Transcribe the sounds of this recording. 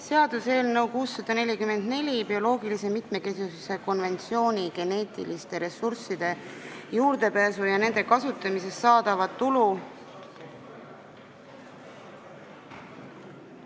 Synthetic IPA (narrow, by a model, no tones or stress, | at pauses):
se̞ɑd̪̥use̞ːlne̞wkuːsːɑd̪̥ɑne̞lʲikyme̞nd̪̥ne̞lʲibio̞lo̞ːɡilise̞mit̪me̞ke̞sisuse̞ko̞nve̞nt̪sio̞ːnʲiɡe̞ne̞ːt̪ˑḭlist̪e̞ɾe̞sːursid̪̥e̞juːɾd̪e̞pæːsujɑne̞nd̪̥e̞kɑsut̪ːˑɑmise̞st̪ːsɑːd̪̥ɑvɑt̪t̪ːulu